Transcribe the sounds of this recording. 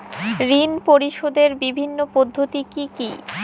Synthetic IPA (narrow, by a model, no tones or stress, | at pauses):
ɾinpoɾiʃod̪eɾbibʱinːopod̪ʱːot̪ikiki